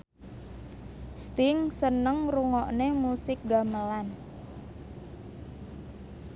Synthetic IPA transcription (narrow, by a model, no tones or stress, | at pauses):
st̪ɪŋsənəŋruŋɔʔnemusɪk̚ɡaməlan